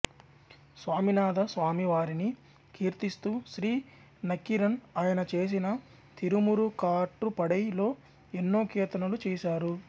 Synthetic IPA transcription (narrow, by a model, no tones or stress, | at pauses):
sʋaːminaːd̪ɐsʋaːmiʋaːɾini | kʰiːɾt̪ist̪uːʃɾiː | nɐkːiɾɐnaːjɐnɐt͡ʃe̞ːs̬inɐ | t̪iɾumuɾukaːʈːupɐɽɐjlo̞ː | enːo̞ːkɛːt̪ɐnɐlut͡ʃɛːʃaːɾu